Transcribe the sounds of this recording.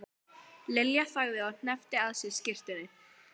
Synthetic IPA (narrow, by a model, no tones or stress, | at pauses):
lɪljaθaːɣðɪawn̥ɛft̪ɪaðsɪðscɪr̥t̪ɪnɪ